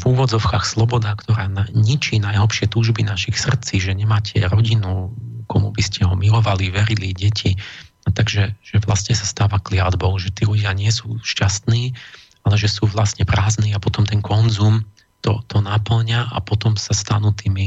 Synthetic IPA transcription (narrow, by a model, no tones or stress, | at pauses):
vuːʋɔd͡zɔʊkaːxslɔbɔd̪akt̪ɔɾaːnaɲit͡ʃinajɦɔpʃɪɛt̪uːʒbinaʃixsr̩t͡siʒɛɲɛmaːcʰɛɾɔɟinukɔmubiscɛɦɔmilɔʋaliʋɛɾiliɟɛcʰi | t̪aɡʒɛʒ̥ɛʋlast̪ɲɛsḁst̪aːʋaklɪad̪bɔʊʒɛt̪iːluɟɪaɲɪɛsuːʃcast̪niː | alɛʒɛsuːʋlasɲɛpɾaːzniːapɔt̪ɔmt̪ɛnkɔnzuːm | t̪ɔt̪ɔnapl̩ɲaʔa̰pɔt̪ɔmsast̪anuːt̪iːmi